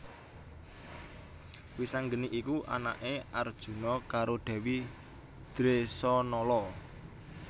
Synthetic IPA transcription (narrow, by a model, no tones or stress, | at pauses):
wisaŋɡəniʔikuʔa̰na̰ʔeard̥ʒ̥ṳnɔkaɾoɖ̪̥ɛ̤wi | d̪̥ɾesɔnɔlɔ